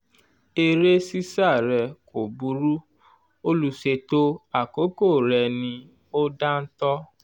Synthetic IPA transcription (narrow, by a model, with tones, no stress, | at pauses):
e˧ɾe˦si˦sa˦˨ɾɛ˧ko˨bu˨˧ɾu˦ | o˦lu˧ʃe˧to˦a˦˨ko˨˦ko˦˨ɾɛ˨˧nĩ˧ | o˦da˦n̩˦tɔ˦